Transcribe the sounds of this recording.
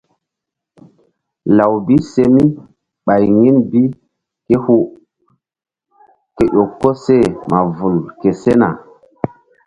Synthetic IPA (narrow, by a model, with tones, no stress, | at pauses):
la˨wbi˦se˦mi˦ | ɓa˨jŋi˦nbi˦ | ke˦hu˦ | ke˨ʔo˨kːo˦se˦˨mʔa˨vu˨lke˨se˦na̰˨